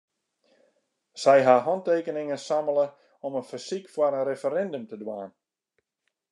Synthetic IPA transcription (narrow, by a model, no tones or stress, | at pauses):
sɛjɦaɦɔnteːkənɪŋənsamələ | ɔmənfəsikfwaɾənɾefəɾɛndəmtədwa̰ːn